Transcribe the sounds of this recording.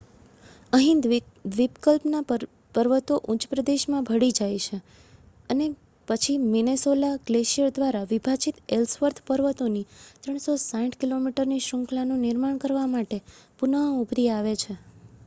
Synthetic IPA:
əɦĩnd̪ | d̪ʋipkəlpna | pəɾʋət̪oʔut͡ʃpɾəd̪eʃmãbʱəɽid͡ʒajt͡ʃʰe | əne | pət͡ʃʰiminesolaɡleʃiəɾd̪ʋaɾaʋibʱat͡ʃit̪elsʋəɾt̪ʰpəɾʋət̪onit̪ɾəɳ̃sosãʈʰkilomiʈəɾniʃɾə̃ŋklanũnɪɾmaɳkəɾʋamaʈepunəɦubʱɾiaʋet͡ʃʰe

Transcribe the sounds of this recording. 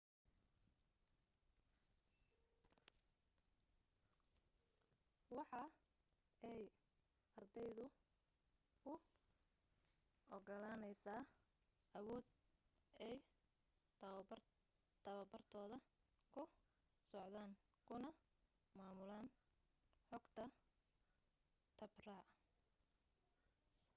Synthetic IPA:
wɑħɑ | ɛj | ɐrd̪ɛjðʊ | ʊ | ʔɔɡɔlaːnɛjsaː | ʔɐwɔːd̪ | ɛj | t̪ʰɐβɐbɐrt̪ʰɔːðɐ | kʰʊ | sɔʕðaːŋ | kʰʊnɐ | maːmʊlaːn | ħɔɡt̪ʰɐ | t̪ʰɐbraː

